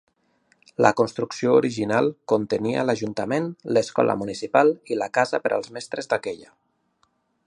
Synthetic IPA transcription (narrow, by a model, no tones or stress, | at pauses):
lə̰konst̪ɾuksiooɾiʒinalˠkont̪ənia̰ləʒunt̪əmenləskɔ̰lʔə̰munisipalˠiləkazəpəɾə̰lˠzmɛst̪ɾəzd̪akɛʎə